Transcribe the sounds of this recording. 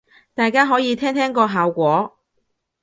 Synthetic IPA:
t̪aː˨jkaː˥ɦɔː˨˥jiː˨˧t̪ʰɛː˥ŋt̪ʰɛː˥ŋkɔː˧ɦaː˨wkʷɔː˨˥

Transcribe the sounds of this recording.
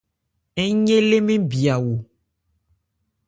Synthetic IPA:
e˦ɲẽ˦le˦mẽ˦bi˨a˨wo˨

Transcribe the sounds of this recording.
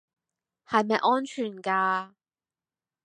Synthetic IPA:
hɐ˨jmɐ˨jʔɔː˥nt͡ʃʰyː˨˩nkaː˧

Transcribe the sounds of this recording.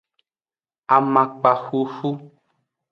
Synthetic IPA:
a˨mã˨k͡pa˨xu˦xu˦

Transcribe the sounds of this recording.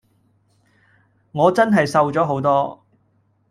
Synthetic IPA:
ŋɔː˨˧t͡sɐ˥nɦɐ˨jsɐ˧wt͡sɔː˨˥ɦo˨˥wt̪ɔː˥

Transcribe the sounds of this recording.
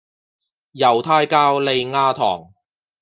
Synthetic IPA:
jɐ˨˩wt̪ʰaː˧jkaː˧˥wle˨˧jŋaː˧t̪ʰɔ̰ː˨˩ŋ

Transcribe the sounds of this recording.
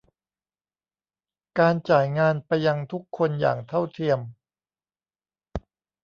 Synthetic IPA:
kaː˧nt͡ɕaː˨˩jŋaː˧npa˧jːa˧ŋt̪ʰu˦˥kʰːo˧nja̰ː˨˩ŋt̪ʰa˥˩wt̪ʰi˧əm

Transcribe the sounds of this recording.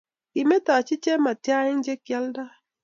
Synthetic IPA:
i˨me˦ta˨t͡ʃɪ˦t͡ʃe˦ma˨tja˦ɪ˦n˦d͡ʒe˦kja˦lda˦

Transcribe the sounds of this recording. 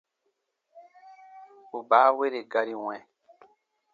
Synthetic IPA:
u˨baː˨˦we˦ɾe˨ɡa˧ɾi˨w̃ɛ̃˨

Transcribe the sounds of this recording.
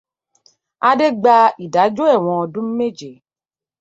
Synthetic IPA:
a˧de˦ɡ͡ba˧i˨da˨˦d͡ʒo˦ɛ˦˨w̃ɔ̃˧ɔ˧dũ˦m̩˦me˦d͡ʒe˨

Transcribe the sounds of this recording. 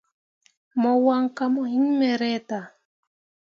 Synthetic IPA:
mɔ˨wa˦ŋka˦mɔ˨hi˦ŋmɛ˨ɾɛ˦ta˨

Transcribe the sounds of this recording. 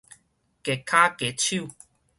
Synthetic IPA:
ke˨kʰa˦ke˨t͡ɕʰu˥˨

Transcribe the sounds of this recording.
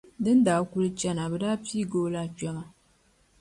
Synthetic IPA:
dɨ˦n˦daː˨˦ku˦lɨ˦t͡ʃɛ˦na˨bɛ˨daː˦piː˦˨ɡoː˦la˦t͡ʃa˦ŋa˨

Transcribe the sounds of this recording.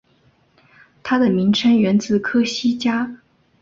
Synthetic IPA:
t̪ʰa˥d̪ə˨mi˧˥ŋʈ͡ʂʰə˥ŋɥɛ˧˥nt͡sɹ̩˥˩kʰɤ˥ɕi˥t͡ɕja˥

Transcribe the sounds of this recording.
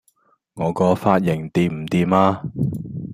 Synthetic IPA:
ŋɔː˨˧kɔː˧faː˧t̚jɪ˨˩ŋt̪iː˨˧p̚m̩˨˩t̪iː˨maː˧

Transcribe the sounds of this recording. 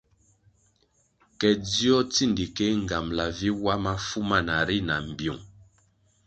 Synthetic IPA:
kɛ˨d͡zi˦ɔ˦t͡si˦˨ndi˨ke˦ŋ̩˨ɡa˨mla˨vi˦wa˦ma˦fu˦ma˦˨na˨ɾi˦na˨m̩˨bju˨ŋ

